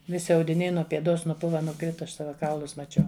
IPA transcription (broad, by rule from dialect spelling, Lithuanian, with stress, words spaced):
ˈʋʲɪsʲɪ ɐʊdʲɪˈnʲɛɪ nuɔ pʲiɛˈdoːs nʊˈpʊʋɐ nʊˈkrʲɪtɐ ˈɐʃ ˈsɑːʋɐ ˈkɐʊlˠʊs mɐˈt͡ʃʲɛʊ